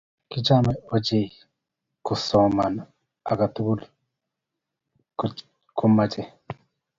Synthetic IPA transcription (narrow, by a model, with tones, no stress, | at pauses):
ki˦t͡ʃaː˦meo˨ɟi˨je | ku˨so˨mana̰ː˨ | ɡa˨tu˦ɡu˦li | k | ku˦maɟe˨